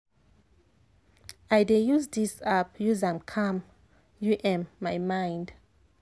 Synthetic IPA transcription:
ajdejuzdisapjuzãmkʰãm | juʔɛ̃mːajmãjnd

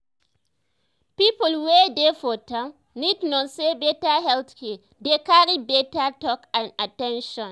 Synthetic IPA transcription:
pipɔlwedefɔtãm | nidnɔ̃nsebɛtaɦɛltkɛ | dekaɾibɛtatɔkãnatɛ̃nʃɔ̃n

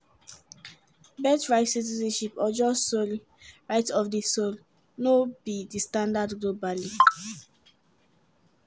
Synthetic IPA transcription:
bɛtɹaɪtsitizɛ̃nʃipɔd͡ʒɔssoli | ɹaɪtɔfdisol | nobidistãndadɡlobali

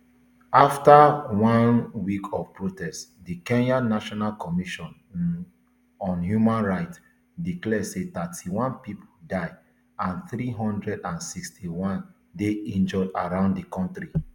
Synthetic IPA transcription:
aftawɔ̃nwikʰɔvpɹotɛstdikɛ̃njãnːaʃɔnalkɔmiʃɔ̃n | ɔ̃njumãnɹaɪt | diklɛset̪atʰiwɔ̃npipʰodaɪ | ãnθɹiɦɔ̃ndɹɛdãnsikstʰiwɔ̃n | deɛ̃nd͡ʒɔda̰ɹãʊ̃nddikɔ̃ntɹi

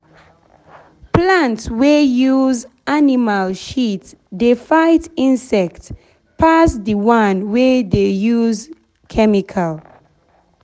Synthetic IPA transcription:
plãntswejuz | animalʃitdefaɪtĩnsɛkt | pʰasdəwãnwedejuz | kʰɛmikʰal

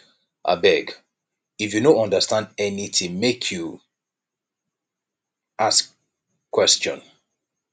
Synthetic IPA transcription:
ʔa̰bɛɡ | ifjunoɔ̃ndəstãndɛniθĩŋmekʰju | askʰː | w̥ɛst͡ʃɔ̰̃n

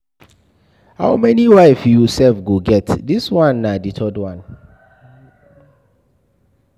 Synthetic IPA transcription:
ha̰ʊmɛniwaɪfjujusɛlfɡoɡɛtdiswãnːaditʰɔdwãn

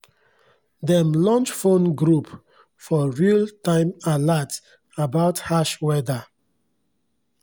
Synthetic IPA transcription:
dɛ̃mlɔ̃nt͡ʃfõnɡɹup | fɔɹiltãɪ̃malat | abaʊthaʃwɛda

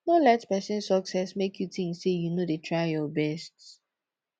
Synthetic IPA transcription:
nɔlɛtpɛsɪ̃nsɔksɛsmekʰjutĩŋsejunodetʰɹaɪjɔbɛst

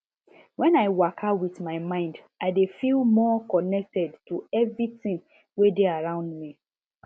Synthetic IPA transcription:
wɛ̃naɪwakʰawiθmaɪmãɪ̃nd | aɪdefilˠmɔkɔnɛk̚tɛdtuɛvɹitĩŋ | wedeaɹãʊ̃ndmi

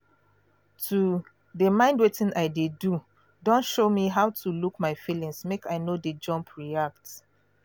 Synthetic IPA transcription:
tʰu | dəmãɪ̃ndwetĩnʔaɪdedu | dɔ̃ntʃomiɦaʊtʰulukmaɪfilĩŋsmekaɪnoded͡ʒɔ̃mpʰɹiak̚t

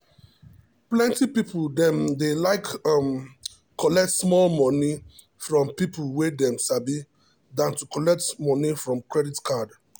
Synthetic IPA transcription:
plɛ̃ntipipldɛ̃mdelaɪkm | kɔlɛk̚tsmɔlmɔni | fɹɔ̃mpipulwedɛ̃msabi | dãntukɔlɛk̚tmɔnifɹɔ̃mkɹɛditkʰad

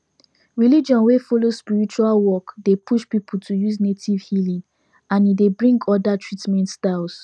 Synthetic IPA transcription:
ɹilid͡ʒɔ̃nwefolospiɹit͡ʃualwɔkdepʰuʃpipʰultʰujuznetʰivhilĩ | ãnidebɹĩŋɡɔdatʰɹitmɛ̃ntstas

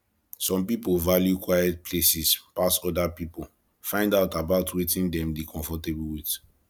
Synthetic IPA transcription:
sɔ̃mpipolvaljukwajɛt̚pʰlesispasɔdapipol | fãɪ̃ndaʊtabaʊtʰwetĩndɛ̃mdikʰɔ̃ɱfɔtebwit

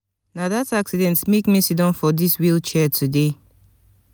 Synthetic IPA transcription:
naðataksidɛ̃ntmekmisidɔ̃nfɔdiswilˠt͡ʃɛtʰude

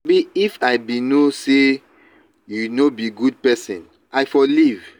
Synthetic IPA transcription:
biifaɪbinose | junobiɡud̚pɛsḭ̃n | aɪfɔliv

